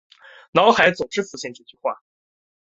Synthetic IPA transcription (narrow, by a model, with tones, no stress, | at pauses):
nɑ˧˥ʊxa˧˥ɪt͡sɔ˨˩ʈ͡ʂɻ̩˥fu˥˧ɕjɛ˥˧nʈ͡ʂu˥˩t͡ɕy˥˧xwa̰˥˩